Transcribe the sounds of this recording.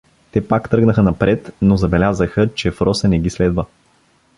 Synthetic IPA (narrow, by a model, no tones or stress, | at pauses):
t̪ɛpakt̪ɤɡnəxənɐpɾɛt̪nozɐbɛlʲazəxət͡ʃɛfɾɔsənɛɡislɛd̪və